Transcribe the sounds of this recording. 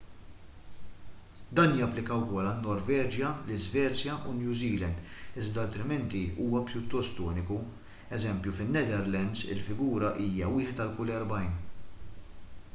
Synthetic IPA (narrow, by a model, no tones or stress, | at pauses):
d̪ɐːnjɐpːlɪkɐwkɔlɐnːɔɾvɛːd͡ʒjɐlɪzvɛːt͡sjɐʔunjuːziːlɛnd̪ɪzd̪ɐɐːlt̪ɾɪmɛnt̪iuːwɐpjʊt̪ːɔst̪ɔːnɪku | ɛzɛmpjufɪnːɛd̪ɛɾlɛnd̪zɪ̰lfɪɡuːɾɐʔiːjɐwɪːħɛt̪ɐlkuːlɛɾbɐjn